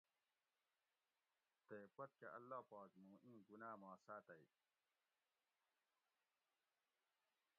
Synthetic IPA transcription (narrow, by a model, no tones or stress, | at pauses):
t̪eːpɐt̪̚keʔɐlːaːpaːkmũːʔĩːɡunaːmãːsaːt̪ɐi